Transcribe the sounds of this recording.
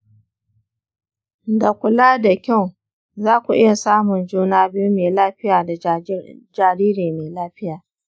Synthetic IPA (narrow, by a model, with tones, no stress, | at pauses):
da˨kʷʊ˨laː˦da˨kʲa˦˨w | zaː˦kʷu˨ʔɪ˦ja˨saː˦mʊ˨nd͡ʒuː˦naː˦bi˦ju˦meː˨laː˦ɸɪ˦jaː˨da˨ | d͡ʒaː˨ɾiː˦ɾeː˨meː˨laː˦ɸɪ˦jaː˨